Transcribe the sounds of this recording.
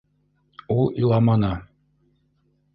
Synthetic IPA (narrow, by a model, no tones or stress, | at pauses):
ulˠilˠɑmɑnɑ